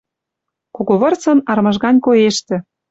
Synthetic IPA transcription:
koɣoβɤ̆rt͡sɤ̆nɑrmɤ̆ʒɣɑnʲkojeʃt̪ĕ

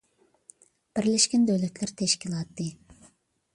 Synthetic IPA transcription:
b̥ɪɾleʃkʲɛnd̪øløt̪lɛɾt̪ʰeʃkʲilˠɑt̪ːɨ

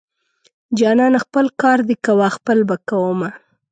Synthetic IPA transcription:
d͡ʒɑnɑnaxpəlkɑɾd̪ekawaxpəlbakawəma

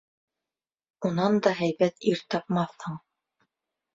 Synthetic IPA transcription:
unɑnd̪ɑɦæjβæt̪iɾt̪ɑpmɑθhɤɴ

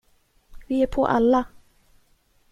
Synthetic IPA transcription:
vɪæɾpʰɔ̰ʔa̰lːa

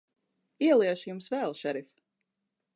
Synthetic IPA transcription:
iɛlˠiɛʃjumsvɛːlˠʃɛɾif

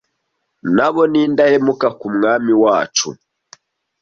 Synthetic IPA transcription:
naβoniːndahemukakumŋaːmiwaːt͡ʃṵ

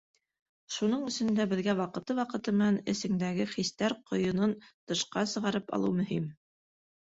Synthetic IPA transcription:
ʃunɤɴɵ̆sɵ̆nd̪æbɘ̆ðɡæwɑqɤ̆t̪ɤwɑqɤ̆t̪ɤmɘ̆nænɘ̰̆sɘ̆ŋd̪æɡɘχist̪æɾqŏjɤ̆nɤnt̪ɤ̆ʃqɑsɤ̆ʁɑɾɤpɑ̰lˠɤwmɵ̆ɦim

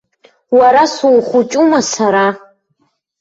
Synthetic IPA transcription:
waɾasulχʷʊt͡ʃʼumasaɾa

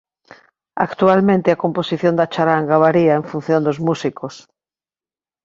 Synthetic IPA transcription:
a̰kt̪ualmẽnt̪eakomposiθjond̪at͡ʃaɾaŋɡaβaɾiaeɱfun̟θjond̪ozmusikʰos

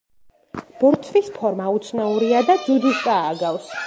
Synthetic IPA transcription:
b̥ɔɾt̪sʰvispʰɔɾmaut̪sʰnauɾiad̪ad̪zud̪ist̪ʼaːɡavs

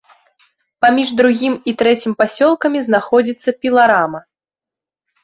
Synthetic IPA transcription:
pamʲiʐd̪ɾuɣʲimit̪ɾɛt͡sʲimpasʲɔlˠkɐmʲiznaxɔd͡zʲit̪sːɐpʲilˠaɾamɐ

